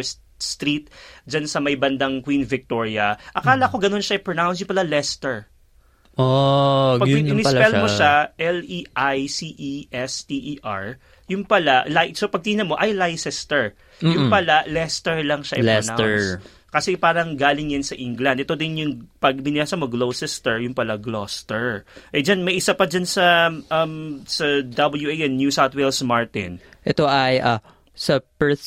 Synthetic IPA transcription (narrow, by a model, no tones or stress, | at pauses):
s | st̪ɾit̪̚d͡ʒansɐmɐjbɐnd̪ɐŋkwinvɪk̚t̪o̞ɹiɐʔɐkaːlɐʔɐkoɡɐno̞nʃaʔɛpɹonawns̬jʊŋpɐlalɛst̪ɛɹ | opɐɡɪɪmɪpɛlmoʃaʔɛlʔiʔajsiʔiʔɛst̪iʔiʔa̰ɹ | jʊŋpɐlalajsopɐɡ̚t̪iːnɐmo̞ʔɐjlajsɛst̪ɛɹ | jʊŋpɐlalɛst̪ɛɹlɐŋʃaʔɛlɛnas | kɐsɛpaːɾɐŋɡaːlɪŋjɐnsɐʔɪŋɡlɐnd̪ʔɛt̪o̞d̪ɪnjʊŋpɐɡ̚mɪnɪlaːsɐmoɡlowsɛst̪ɛɹjʊŋpɐlaɡlost̪ɛɹʔɛd͡ʒanmɐjʔɪsapɐd͡ʒansɐʔɐmsɐd̪ɐbɐljuejʔɛnnjusawt̪̚wɛlsmaɹt̪ɪ̰nʔɛt̪oʔɐjʔɐ | sɐpɛ